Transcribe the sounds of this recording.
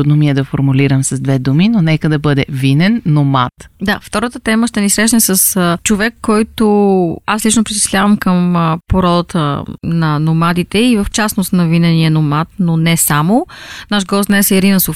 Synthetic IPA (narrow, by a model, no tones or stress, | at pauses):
ud̪nomiɛd̪ɐfo̰ɾmuliɾəmsɐzd̪vɛd̪uminonɛkəd̪ɐbɤd̪ɛvinɛnːoma̰t̪d̪aft̪ɔɾət̪ət̪ɛməʃt̪ɛnisɾɛʃnɛsəsət͡ʃovɛkʰːɔjt̪oaslit͡ʃnopɾit̪t͡ʃsʲlʲavəmkəməpoɾɔd̪ət̪ə̰nɐnomad̪it̪ɛivəft͡ʃasnost̪nɐvinɛniənomat̪̚nonɛsamonaʃɡɔst̪nɛsɛiɾinəsof